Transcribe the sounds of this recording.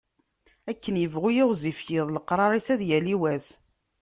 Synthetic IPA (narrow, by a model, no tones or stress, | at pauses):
ækːənjəvʁujɪʁzifjɪðˤləqɾˤɑɾˤisæðjæliwæs